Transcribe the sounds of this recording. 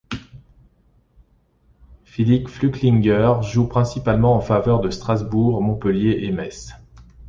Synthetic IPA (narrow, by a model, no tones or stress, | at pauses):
filipflykliŋɡʲœʁʒupχɛ̃sipalmɑ̃ɑ̃favœʁd̪əst̪χazbuʁmɔ̃pəljeʔemɛs